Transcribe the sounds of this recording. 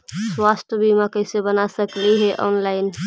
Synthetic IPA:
swaːst̪ʰbimakəɪsebənasəkliɦɛʔɔ̰ːnlaːɪn

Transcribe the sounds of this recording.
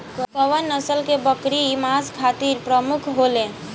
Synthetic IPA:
kəʋənːəsəlkebəkɾimaskʰat̪iɾpɾəmukʰɦolẽ

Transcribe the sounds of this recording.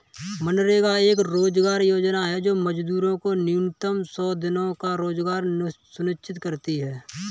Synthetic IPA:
mənɾekaeːkɾoːd͡ʒɡaːɾjoːd͡ʒnaɦɛd͡ʒoːməd͡ʒd̪uːɾõkonɪʊnɪt̪əmsɔːd̪ɪnõkaɾoːd͡ʒɡaːɾsʊnɪt͡ʃɪt̪kəɾt̪iɦɛː

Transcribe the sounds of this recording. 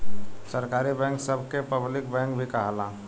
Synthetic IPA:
səɾkaːɾibɛ̃ːŋksəbʱkepəblɪk̚bɛ̃ːŋk̚bʱikaɦalaː

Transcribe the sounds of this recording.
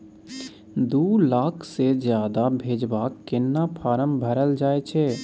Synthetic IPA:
d̪uːlaːkʰsezjaːd̪abʱeːd͡ʒbaːkːɪnːapʰaːɾəmbʱəɾəld͡ʒaːet͡ʃʰeː

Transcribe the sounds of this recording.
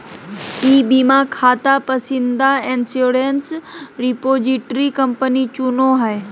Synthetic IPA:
iːbimãkʰaːt̪apɐsĩnd̪aẽːnsjoɾensɾipoːziʈɾikɐ̃mpənit͡ɕunoɦae

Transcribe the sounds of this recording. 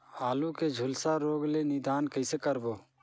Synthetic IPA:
aːluːkeːd͡ʒʱʊlsaːɾoːɡleːnɪd̪aːnkəɪseːkəɾboː

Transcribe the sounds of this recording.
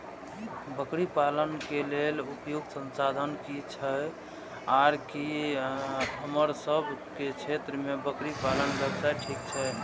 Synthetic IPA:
bəkɾipalənkelelupjuɡsə̃nsad̪ʱənkit͡ʃʰə | aɾki | ɦəməɾsəbʱket͡ʃʰet̪ɾəmebəkɾipalənbəbsaʈʰikt͡ʃʰɛ

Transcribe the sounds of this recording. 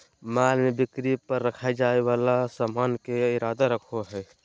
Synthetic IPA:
malmebikɾipəɾːəkʰaed͡ʒaeβalasamankeiɾad̪aɾəkʰoɦɛ

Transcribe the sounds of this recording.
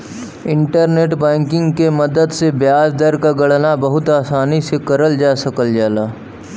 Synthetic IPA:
ɪ̃ɳʈəɾneːʈbɛ̃ːŋkɪ̃ŋɡkemɐd̪əd̪sebjaːsd̪əɾkaɡɐɽnabɐɦʊt̪aːsaːnisekɐɾəld͡ʒaːsɐkəld͡ʒaːlaː

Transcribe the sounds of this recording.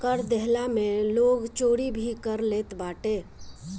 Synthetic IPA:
kəɾd̪ɛɦlamẽloːɡt͡ʃoːɽibʱikəɾleːt̪baːʈeː

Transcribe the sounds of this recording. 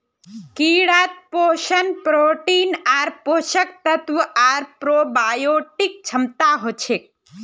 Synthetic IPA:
kiːɽaːt̪̚poːʃənpɾoːʈiːnaːɾpoːʃək̚t̪ət̪ʋuʔaːɾpɾoːbaːjoːʈik̚t͡ʃʰɐmt̪aɦot͡ʃʰek̚

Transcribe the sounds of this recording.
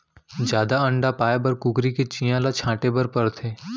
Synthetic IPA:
d͡ʒjaːd̪aə̃ɳɖapaːebɐɾkʊɡɾiket͡ʃijãlat͡ʃʰãːʈebəɾpəɾt̪ʰeː

